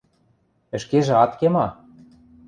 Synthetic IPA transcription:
ɘ̆ʃkeʒĕɑt̪kemɑ

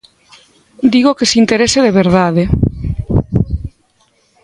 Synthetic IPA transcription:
d̪iɣokesint̪eɾeseðeβ̞eɾð̞aðe

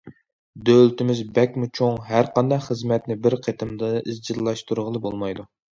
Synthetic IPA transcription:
d̪ølt̪ɪmɪzbɛkʲmut͡ʃʰoŋɦæɾqɑnd̪ɑχəzmɛt̪nɪbɪɾqʰet̪ʰɨmd̪ɨɨzd͡ʒiɾlːˠɑʃt̪uɾʁəlˠɨbolˠmɑjd̪u

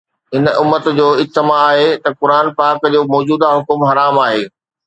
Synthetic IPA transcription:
ɦɪnʊmːət̪d͡ʑoːɪst̪ɪmaːɦet̪ɐkʊɾaːnpaːkd͡ʑoːmɔːd͡ʑuːd̪aɦʊkʊmɦɐɾaːmaːɦeː

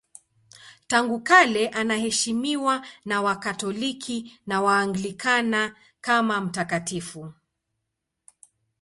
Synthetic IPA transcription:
taŋɡukalɛʔanahɛʃimiwanawakatɔlikʰinawaːŋɡlikana | kamam̩takatifu

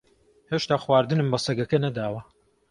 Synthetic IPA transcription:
heːʃt̪aːxwaːɾd̪ɨnɨmbɐsɐɡɐkɐnɐd̪aːwɐ

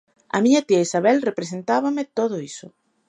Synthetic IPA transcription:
a̰miɲat̪iaisaβɛlrepɾesent̪aβamet̪oðoisʊ

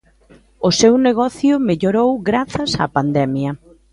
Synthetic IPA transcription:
ʊsewneɣ̞ɔθjʊmeʎoɾowɡɾaθɐsa̰pand̪ɛmjɐ

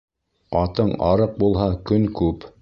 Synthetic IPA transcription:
ɑt̪ɤɴɑ̰ɾɤq̚bulˠɦɑkɵŋkʉp

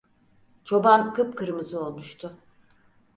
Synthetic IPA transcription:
t͡ʃʰo̞bankʰɯpkʰɯɾmɯzɯo̞lˠmuʃt̪ʰʊ

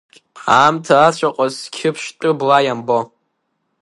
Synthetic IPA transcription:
aːmtʰaːt͡ɕʷʰaqʷʼazkʲʰɪpʰʃtʼɨblajambo

